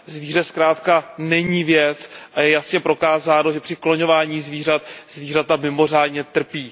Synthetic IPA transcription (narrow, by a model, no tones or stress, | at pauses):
zviːrɛskɾaːt̪kanɛɲiːvjɛt͡sʔajɛjasɲɛpɾo̞kaːzaːnoʒɛpr̥ɪklo̞ɲo̞vaːɲiːzviːr̝at̪zviːrat̪amɪmo̞r̝aːdɲɛt̪r̩piː